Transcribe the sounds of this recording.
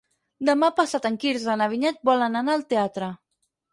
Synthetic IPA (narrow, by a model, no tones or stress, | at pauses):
d̪əmapasat̪əŋkiɾzənəβ̞iɲɛt̪̚bɔlənanaəlˠt̪eat̪ɾə